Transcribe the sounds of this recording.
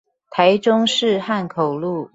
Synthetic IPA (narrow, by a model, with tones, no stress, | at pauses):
t̪ʰa˧˥ɪʈ͡ʂʊ˥ŋʂɻ̩˥˧xa˥˩nkʰo˨˩ʊlu˥˩